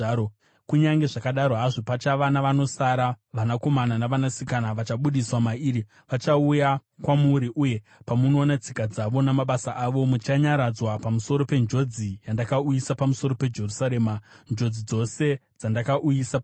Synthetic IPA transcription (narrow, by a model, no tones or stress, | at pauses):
kuɲaŋɡe̞ʐakaɗaɾoɦaʐopat͡ʃaʋanaʋano̞saɾa | ʋanako̞mananaʋanasikanaʋat͡ʃaɓuɗiswamaiːɾi | ʋat͡ʃaujakwamuɾiʔuje̞ | pamuno̞ːnat͡sikad͡zaʋo̞namaɓasaʔaʋo̞mut͡ʃaɲaɾad͡zwapamuso̞ɾo̞pe̞nd͡ʒo̞d͡zijandakaujisapamuso̞ɾo̞pe̞d͡ʒe̞rusaɾeːmand͡ʒo̞d͡zid͡zo̞se̞d͡zandakaʔujisa